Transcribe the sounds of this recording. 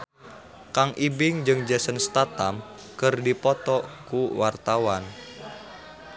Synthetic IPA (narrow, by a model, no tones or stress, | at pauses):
kaŋʔibɪŋd͡ʒɨŋd͡ʒasənst̪at̪am | kɨrdipɔt̪ɔkuwart̪awan